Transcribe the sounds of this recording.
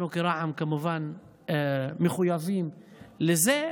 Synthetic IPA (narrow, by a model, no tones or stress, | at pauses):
ukiɾˤɑʕamkamʊvan | mɪxʊjɑðˤiːmlɪzeː